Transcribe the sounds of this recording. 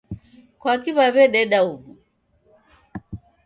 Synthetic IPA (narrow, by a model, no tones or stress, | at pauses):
kwakiβaβɛɗɛɗauβu